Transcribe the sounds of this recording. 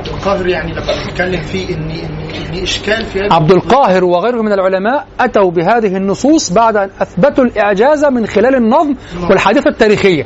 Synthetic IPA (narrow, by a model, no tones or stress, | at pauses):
d̪ɪlqɑːhɪɾjaʕniamːaat̪kalːɪmfiːʔɪnːiʔɪnːʔɪnːiʔɪʃkaːlfihaʕab̚d̪ɪlqɑːɦɪɾwɪɣajɾhʊmɪnalʕʊlamaːʔʔat̪awbɪɦaːðɪhɪnːʊsˤuːsˤbaʕd̪ʔanʔaθbɪt̪ulʔɪʕd͡ʒaːzamɪnxɪlæːlɪnːɑðˤmwɪlħaːd̪iθat̪ːaːɾiːxɪjːa